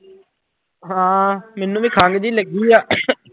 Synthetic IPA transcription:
ɦãːmɛːnũːʋĩːkʰãːŋɡd̪iːləɡiːaː

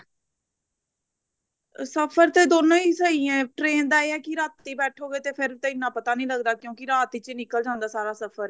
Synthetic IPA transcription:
səpʰəɾt̪eːd̪oːnõːiːsəiːɛ̃ːʈɾeːnd̪aːeːɛːkiɾaːt̪ːiːbɛːʈʰoːɡeːt̪eːpʰɪɾt̪eɪnːãːpət̪aːnĩːləɡd̪aːkjõːkiɾaːt̪iːt͡ʃenɪkəld͡ʒãːnd̪aːsaːɾaːsəpʰəɾ

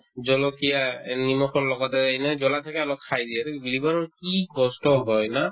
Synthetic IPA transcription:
zɔlɔkijanimɔxɔɹlɔɡɔtɛejnɛzɔlatʰakɛalɔkʰːajdijɛtbilibaɹɔnkiɡɔstɔɦɔjna

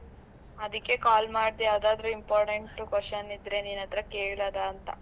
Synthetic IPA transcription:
ɐd̪ikːekaːlmaːɖid̪ejaːwd̪aːd̪ɐɾuimpaːɾʈeɳʈːukʋɐsɐnid̪ɾend̪inɐnt̪ɾɐkeːɭlɐd̪ɐːnt̪ɐ̰

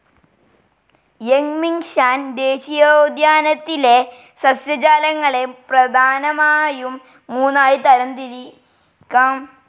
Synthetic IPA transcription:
jeŋmiŋɕaːnd̪eːɕijod̪jaːnɐt̪ːile̞ | sɐsjɐd͡ʑaːlɐŋːɐɭe̞prɐd̪ʱaːnɐmaːjumː | uːnːaːjit̪ɐɾɐnt̪iɾi | kːɐ

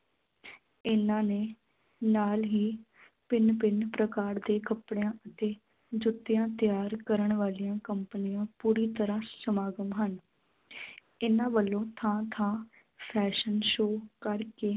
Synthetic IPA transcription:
ɪnãːneː | naːlɦiː | pɪnpɪnpɾəkaːɾd̪eːkəpɽejãːʔət̪eː | d͡ʒʊt̪ːɪjãːt̪ɪjaːɾkəɾəɳʋaːlijãːkəmpənijãːpuːɾiːt̪əɾãːsəmaːɡəmɦən | ɪnãːʋəlːõːt̪ʰãːt̪ʰãː | pʰɛːʃənʃoːkəɾkeː

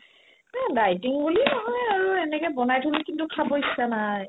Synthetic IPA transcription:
adajtiŋbulinɔɦɔjaɹuɛnɛkɛbɔnajtʰulikintukʰabɔisːanaj

